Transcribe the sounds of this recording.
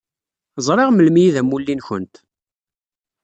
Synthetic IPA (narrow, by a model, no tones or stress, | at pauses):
zˤɾˤeʁməlmijiðæmulːinçə̰nt̪